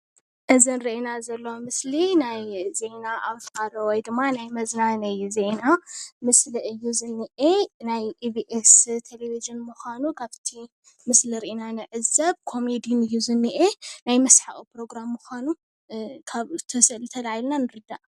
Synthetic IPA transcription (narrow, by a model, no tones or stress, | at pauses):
ʔɨzinɾiʔenazɐlːowmɨslinajze̞naʔaβfaɾowɔjd̪ɨmːanajmɐznanɐjzenamɨslɨʔɨjːuzɨnːɨʔenajibiʔest̪ʰeleviʒɨnmuxanukʰaβt̪ʰi | mɨsliɾiʔinanɨʕɨzɐβkʰo̞med̪inɨjːuzɨnːɨʔenajmɐsħaʔʼipɾo̞ɡɾamːuxʷanu | kʰaβt̪ʰɐsɨlɨt̪ʰɐlajilnanɨɾɨd̪ːaʔ